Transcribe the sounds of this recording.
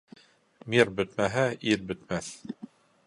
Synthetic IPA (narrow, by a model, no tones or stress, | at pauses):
miɾbɵ̆t̪mæɦæiɾbɘ̆t̪mæθ